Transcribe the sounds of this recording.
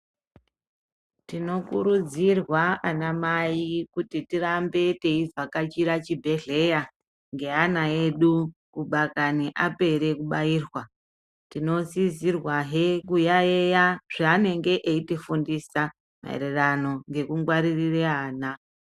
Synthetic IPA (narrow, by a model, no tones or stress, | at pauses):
tino̞kuɾud͡zirwaanamaikutitirambe̞te̞ivakat͡ʃiɾat͡ʃibʱe̞ɮe̞ja | ŋɡe̞anaeɗukuɓakaniʔape̞ɾe̞kuɓaiːrwa | tino̞zizirwaɦekujaejaʐ̥aːne̞ŋɡe̞ʔeitifundisa | ma̰ḛɾerano̞ŋɡe̞kuŋɡwaɾirireaːna